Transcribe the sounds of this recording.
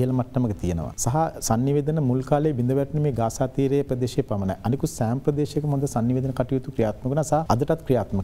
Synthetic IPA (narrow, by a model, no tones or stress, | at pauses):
ɦɐlɐmɐʈːɐmɐkət̪ijenə̰ʋa̰sɐɦɐsɐnːiʋeːd̪ɐnɐmulkaːleːʋind̪ɐʋɛɾʈːɐnemeːɡaːsaːt̪iːɾejpɾɐd̪eːʃeːpɐmɐna̰jʔɐnikusɛːmpɾɐd̪eːʃjekəmõnd̪ɐsɐnːiʋeːd̪ɐənɐkɐʈijut̪ukɾijaːt̪mɐkunasaɦɐɐd̪ɐʈɐt̪kɾijaːt̪mɐk